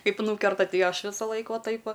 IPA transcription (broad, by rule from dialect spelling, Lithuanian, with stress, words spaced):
ˈkɐɪp ˈnuːkʲɛrtɐ ˈtɐɪ ˈɐʃ ˈʋʲɪsɐlˠɐɪk ˈʋɐ ˈtɐɪp ˈʋɐ